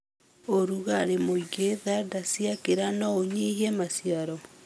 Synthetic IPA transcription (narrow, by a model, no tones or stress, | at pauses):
oɾuɣaɾemoiɡeðadasiakeɾanɔoɲehiɛmasiaɾɔ